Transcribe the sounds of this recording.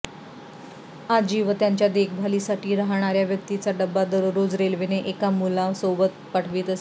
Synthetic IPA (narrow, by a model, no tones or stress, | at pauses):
ad͡ʑiːʋət̪jaɲt͡ɕjad̪ekʰbʱalisaʈʰiːɾaɦɳ̃aɾjaʋjək̚t̪it͡saɖəbːad̪əɾɾod͡zɾelʋineʔekamulaʋsobət̪̚paʈʰʋiːt̪əse